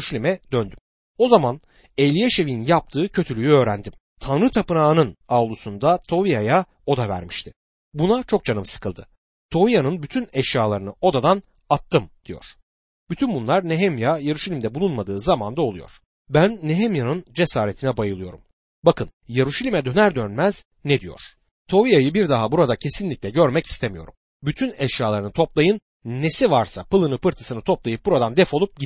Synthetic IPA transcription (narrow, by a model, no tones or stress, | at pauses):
ʃalʲimɛd̪̥ønd̪ym | o̞zaman | elʲijeʃe̞vinnjap̚t̪ʰɯːcʰø̞t̪ʰylʲyjyø̞ːɾænd̪im | t̪ʰanɾɯt̪ʰapɯnaːnɯnavlˠusund̪at̪ʰo̞vijaja | o̞d̪avæ̰ɾmiʃt̪ʰɪ̥ | bunat͡ʃʰo̞k̚d͡ʒanɯmsɯ̥kʰɯlˠd̪ɯ | t̪ʰo̞vijanɯnbyt̪ʰynɛʃjaːlˠaɾɯnɯo̞d̪ad̪an | at̪ʰːɯmd̪̥ijo̞̰ɾ̥ | byt̪ʰynbunlˠaɾneɦemjajeɾuʃalʲimd̪ɛbulˠunmad̪ɯːzamand̪aolˠujo̞̰ɾ̥ | bænːeɦemjanɯnd͡ʒe̞saːɾe̞t̪ʰinɛbajɯlˠɯjo̞ɾum | bakʰɯnjeɾuʃalʲimɛd̪ø̞næɾd̪ønmæz̥ | ned̪ijo̞̰ɾ̥ | t̪ʰo̞vijajɯbiɾd̪aɦabuɾad̪acʰe̞sinlʲiclʲɛɟøɾmɛci̥st̪ʰemijo̞̰ɾum | byt̪ʰynɛʃjaːlˠaɾɯnɯt̪ʰo̞plˠajɯnː | esivaɾsapɯlˠɯnɯpɯɾt̪ʰɯsɯnɯt̪ʰo̞plˠajɯp̚buɾad̪and̪ɛfo̞lˠup̚ɟi